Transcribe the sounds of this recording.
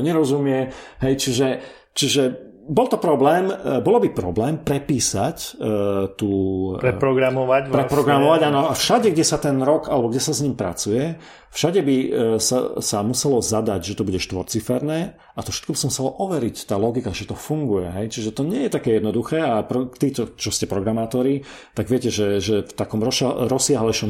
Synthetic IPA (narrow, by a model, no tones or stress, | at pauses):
ɲɛɾɔzumɪɛɦɛjt͡ʃiʒɛ | t͡ʃiʒɛ | bɔlt̪ɔpɾɔblɛːmbɔlɔbipɾɔblɛːmpɾɛpiːsac | t̪uːɾɛpɾɔɡɾamɔʋapɾɛpɾɔɡɾamɔʋaɟaːnɔafʃaɟɛɡɟɛsat̪ɛnɾɔkalɛbɔɡɟɛsazɲiːmpɾa̰t͡sujɛ | fʃaɟɛbisa̰samusɛlɔzad̪aɟʒɛt̪ɔbuɟɛʃt̪ʋɔɾt͡sifɛɾnɛː | at̪ɔfʃɛ̥t̪kɔbisɔmusɛlɔʔɔʋɛɾict̪aːlɔɡikaʒɛt̪ɔfuŋɡujɛɦɛjt͡ʃiʒɛt̪ɔɲɪɛjɛt̪akɛːjɛd̪nɔd̪uxɛːapɾɔt̪iːt͡ʃɔt͡ʃɔscɛpɾɔɡɾamaːt̪ɔɾi | t̪aɡʋɪɛcɛʒɛʒɛft̪akɔmɾɔɾɔsɪaɦlɛjʃɔm